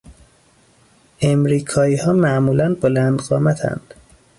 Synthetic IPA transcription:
ʔemɾiːkʰɒːiːhɒːmæʔmuːlænbolænd̪ɢɒːmæt̪ʰæ̰nd̪̥

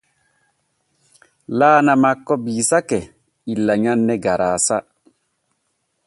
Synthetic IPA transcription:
laːnamakːɔbiːsakɛ | ilːaɲanːɛɡaɾaːsa

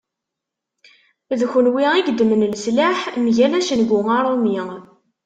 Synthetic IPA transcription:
ðçənwiiɡd̪əmənlslaħmʝælæʃənɡʊŋɑɾˤomi

